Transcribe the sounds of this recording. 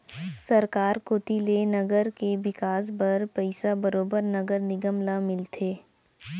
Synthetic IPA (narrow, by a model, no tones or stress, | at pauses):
sɐɾkaːɾkoːt̪ilenɐɡəɾkebɪkaːs̬bɐɾpɐɪsabəɾoːbəɾnɐɡəɾnɪɡəmlamɪlt̪ʰeː